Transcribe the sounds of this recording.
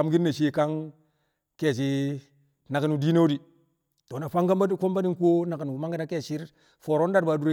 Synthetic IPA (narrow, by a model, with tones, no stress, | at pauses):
a˨mɡi˦nːe˨ʃe˦˨ka˦ŋ | ke˨s̬i˦ | na˨ka˨nu˨di˦ne˦wdi˨ | to˨na˨fa˦ŋɡa˦mba˦fo˦mba˦ni˦ŋku˦o˦na˨ka˨nu˨ma˦ŋɡa˦na˦ke˦˨ʃi˦ɾ | fo˨ɾo˦n˦da˦ɾba˨du˦ɾe˦